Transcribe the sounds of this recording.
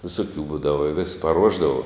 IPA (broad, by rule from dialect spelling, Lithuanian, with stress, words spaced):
ʋʲɪˈsoːkʲuː ˈbuːdɐʋɐ ɪ ʋʲɪs pɐˈruɔʒdɐʋɐ